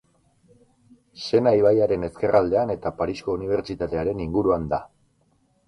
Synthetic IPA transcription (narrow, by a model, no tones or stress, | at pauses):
se̞najβ̞ajaɾe̞ne̞ske̞rʔald̪e̞ane̞t̪apaɾisko̞uniβ̞e̞ɾt͡ʃit̪at̪e̞aɾe̞niŋɡuɾuand̪a